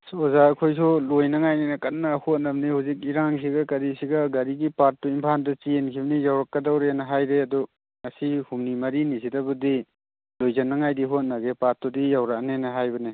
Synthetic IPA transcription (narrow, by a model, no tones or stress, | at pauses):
sozaːkʰojs̬ulojnɐŋajnenɐkat̚nahot̚nɐbnihuzik̚iɾaŋsiɡɐkɐɾisiɡɐɡɐɾiɡipat̚dɔimpʰandɐt͡ʃienkʰibɐnijawɾakːɐdawɾeanɐɦajɾeɐdɔ | ŋɐsihumnimɐɾinis̬idabudi | lojzanːɐŋajdiɦot̚naɡepat̚tɔdijawɾaknenɐɦajbɐne